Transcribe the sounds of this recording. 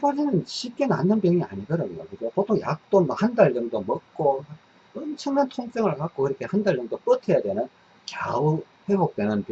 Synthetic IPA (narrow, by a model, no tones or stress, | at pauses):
pad͡ʑinɯnɕʰik͈ena̰nːɯnpjʌŋia̰ɲidɯɾʌnjo̰kɯɡopotʰoŋja̰k̚t͈onmahandaɭd͡ʑɯmdomʌk̚k͈o | ʌnt͡ɕʰʌŋnantʰoŋs͈ʰeŋɯɭkak̚k͈oiɾʌkʰehandaɭːɯŋdop͈ɯtʰejadwenɯn | kja̰u | hebok̚t͈enɯnp